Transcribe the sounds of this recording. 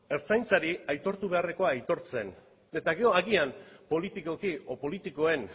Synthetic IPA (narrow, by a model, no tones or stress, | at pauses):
e̞ɾt͡sajnt͡saɾiajt̪o̞ɾt̪uβ̞e̞are̞ko̞aːjt̪o̞ɾt͡se̞̰n | e̞t̪aɣe̞o̞aɣiampo̞lit̪iko̞kiopo̞lit̪iko̞e̞n